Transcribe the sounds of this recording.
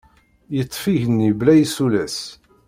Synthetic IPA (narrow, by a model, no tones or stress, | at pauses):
jət̪ˤːfiʝənːiblæjsulæs